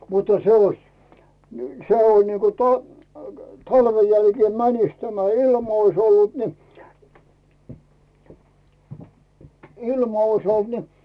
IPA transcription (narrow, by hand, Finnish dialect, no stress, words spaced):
mutːɑ se oĭs n se on niːko to tɑlʋen jælkeː mænis tæmæ ilm ois olːut ni ilmɑ ois olt ni